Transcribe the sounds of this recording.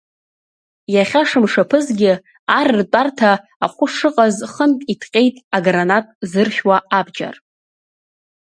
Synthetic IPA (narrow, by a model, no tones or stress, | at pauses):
jaχʲaʂɨmʂapʰɨzɡʲɪ | arrt͡pʷʼartʰaː | χʷʊʂɨqʼazχəntʼitʰqʲʼe̞jtʼaɡranatʼzɨrχʲwaabd͡ʒa̰r